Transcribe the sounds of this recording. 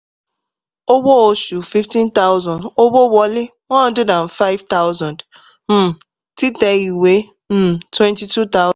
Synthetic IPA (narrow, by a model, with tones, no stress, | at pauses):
o˦bo˦o˦ʃu˨fi˦ftĩ˦nta˦ʊ˦zɔ̃˨ndo˦bo˦bɔ˦lɪ˦ŋɔ˦n˦dʊ˦dã˨n̩˨fa˦ɪ˦vta˦ʊ˦zɔ̃˨nd | m̩˦˨ | ti˦te˨ɣi˨we˦ | m̩˦˨twe˦nti˨tu˦ta˦ʊ